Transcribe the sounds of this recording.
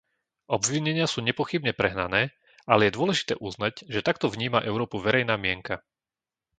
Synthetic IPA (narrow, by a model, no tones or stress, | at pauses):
ʔɔbʋiɲɛɲɪasuːɲɛpɔxibɲɛpɾɛɦnanɛː | alɛjɛd̪ʊɔlɛʒi̥t̪ɛːʔuznaɟʒɛt̪akt̪ɔvɲiːmaʔɛʊɾɔːpuʋɛɾɛjnaːmɪɛŋka